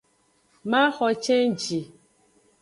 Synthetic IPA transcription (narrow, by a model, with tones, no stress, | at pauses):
ma˦xɔ˨t͡ʃe˦n̩˦t͡ʃi˨